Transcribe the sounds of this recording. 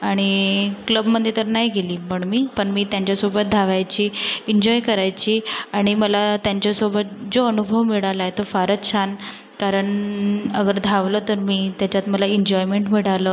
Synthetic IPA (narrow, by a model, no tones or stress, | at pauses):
aɽ̃ikləbməd̪ʱjet̪əɾnaɦiɡeliːpəɳmiːpəɳmiːt̪jãɲt͡ɕjasobət̪̚d̪ʱaʋajt͡ɕiːeɲd͡ʑɔjkəɾajt͡ɕiːaɽ̃iməlat̪jaɲt͡ɕjasobət̪̚d͡zoənubʱəʋmiɽalaet̪ofaɾət̪t͡ɕʰan | kaɾəɳəɡəɾd̪ʱaʋləːt̪əɾmiːt̪jat͡ɕat̪məlaiɲd͡ʑɔjmeɳʈmiɽaləː